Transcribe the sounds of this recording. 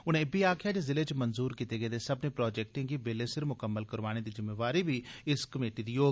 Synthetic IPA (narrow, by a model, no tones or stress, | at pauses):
ʊnẽːbiːaːkʰɪjaːd͡ʒezɪleːt͡ʃmənzuːɾkit̪eːɡəeːd̪eːsəbnẽːpɾɔːd͡ʒɛːk̚ʈɪ̃ːɡiːbeːleːsɪɾmʊkəmːəlkəɾʋaːɽ̃eːd̪iːzɪmːeːʋaːɾiːbiːɪskəmeːʈiːd̪iːjoː